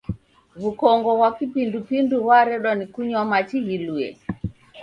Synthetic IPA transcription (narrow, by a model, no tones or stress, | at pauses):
βukɔŋɡɔβwakipindupinduβwaɾɛɗwanikuɲɔmat͡ʃiɦiluɛ̰